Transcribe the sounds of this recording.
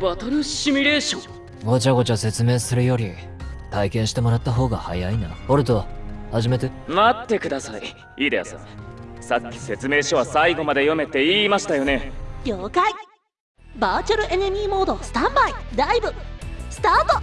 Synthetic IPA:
βat̪aɾɯ̟ɕimʲiɾe̞ːɕõ | ɡo̞t͡ɕaɡo̞t͡ɕase̞t͡sɨme̞ːsɨɾɯ̟jo̞ɾʲi | t̪aikẽ̞ɰ̃ɕi̥t̪e̞mo̞ɾat̪ːaɦo̞ːɡaha̰jainanooɾɯt̪o̞haʑime̞t̪emat̪ːe̞kɯ̟d̪asai | iːd̪eja̰sã̰sakʲːi̥se̞t͡sɨme̞ːɕoβasaiɡo̞mad̪e̞jo̞me̞t̪e̞iːmaɕi̥t̪ajo̞ne̞ɡʲoːkai | baːt͡ɕaɾɯ̟ʔe̞nemʲiːmo̞ːd̪o̞sɨ̥t̪ãmbaid̪aibɯ̟sɨ̥t̪aːt̪o

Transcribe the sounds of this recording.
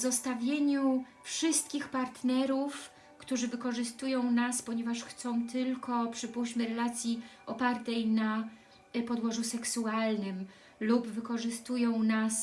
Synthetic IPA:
zɔst̪avʲjeɲu | fʂɘst̪̚kʲixpaɾt̪nɛɾuf | kt̪uʐɘvɘkɔʐɘst̪ujɔ̃w̃naspɔɲɛvaʂxt̪sɔ̃w̃t̪ɘlkɔpʂɘpuɕmɘɾɛlat̪sʲjiʔɔpaɾt̪ɛjna | pɔd̪wɔʐusɛksualnɘm | lubvɘkɔʐɘst̪ujɔ̃w̃nas

